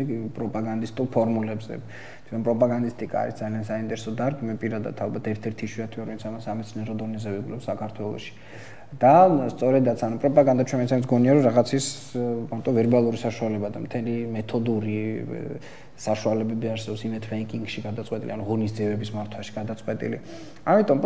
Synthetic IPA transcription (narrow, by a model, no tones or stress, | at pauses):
ɡpʼɾɔpʼaɡand̪ist̪ʼuɾpʰɔɾmulɛbzɛ̰ | t̪ʰt͡ʃʰɛnpʼɾɔpʼaɡand̪ist̪ʼikʼa̰a̰ɾisd̪zaliansaint̪ʼɛɾɛsɔd̪aɾɡimɛpʼiɾad̪a̰t̪ʰalˠbat̪ʰɛɾt̪ʰɛɾt̪ʰiʃwiat̪ʰwiaɾɔvinsʰamasamɛt̪sʰniɛɾɔd̪ɔnizɛvɛɡulɛpsakʰaɾt̪ʰwɛlˠɔ̰ʃi̥ | d̪ast̪sʼɔɾɛd̪at̪sʰanupʼɾɔpʼaɡand̪at͡ʃʰɛmɛt̪sʰɛnɛt̪sɡɔniaɾɔɾaʁat̪sʰis | maɾt̪ʼɔvɛɾbalˠuɾisaʃualɛbad̪amt̪ʰɛlimɛt̪ʰɔd̪uɾi | saʃualɛbɛbiaɾsɛbɔpsimɛt̪ʰfɛikʼiŋɡʃiɡad̪at̪sʼwɛt̪ʼḭlianuʁɔnis̬d̪ziɛbɛbismaɾt̪ʰwaʃi̥ɡad̪at̪sʼqʼwɛt̪ʼḭlḭ | amit̪ʼɔm